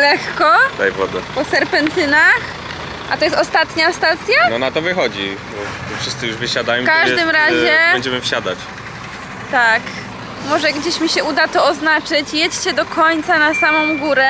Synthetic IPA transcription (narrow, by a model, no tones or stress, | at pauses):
lɛkkɔd̪ajvɔd̪apɔsɛɾpɛnt̪ɘnax | ʔa̰t̪ɔjɛst̪ɔst̪at̪ɲast̪at̪sʲjanɔnat̪ɔvɘxɔd͡ʑibɔ | ɔfʂɘst̪sɨjuʐvɘɕad̪ajɔ̃mkaʐd̪ɪmɾaʑɛbɛɲd͡ʑɛmɘfɕad̪at͡ɕ | t̪ak | mɔʐɛɡd͡ʑeɕmʲiɕɛud̪at̪ɔɔznat͡ʂɘt͡ɕjɛt͡ɕt͡ɕɛd̪ɔkʰɔɲt̪sanasamɔ̃w̃ɡuɾɛ